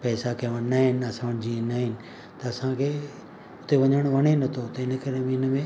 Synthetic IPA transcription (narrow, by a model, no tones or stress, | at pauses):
pɛːsakɐʋənaɦɪnɪ̆ɐsãʋɽd͡ʑiẽnaɦɪnɪ̆ | t̪ɐɐsãkʰeː | ʊt̪eʋɐɲəɽ̃ʋɐɽ̃enɐt̪ʰot̪ɐɪnə̆kɐɾemẽɪnəmẽ